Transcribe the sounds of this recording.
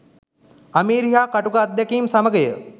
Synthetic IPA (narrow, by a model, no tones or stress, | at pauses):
amiːɾiɦjaːkaʈukad̪ːakiːmsaməɡəjə